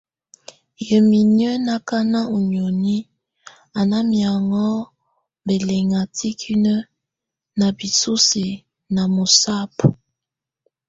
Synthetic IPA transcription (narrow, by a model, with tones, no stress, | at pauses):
jə˨mi˨nə˦na˨ka˦na˦u˨ɲ˨o˨ni˦ | a˨na˦mja˨ŋɔ˦ | be˨lɛ˨ŋa˨tʰi˦kʰi˦nə˦ | na˨bi˨su˦si˨ | na˨mo˨sa˦p